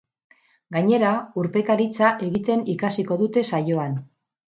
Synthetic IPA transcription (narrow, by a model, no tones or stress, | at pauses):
ɡaɲe̞ɾauɾpe̞kaɾit͡saʔe̞ɣit̪e̞nikasiko̞ðut̪e̞sajo̞an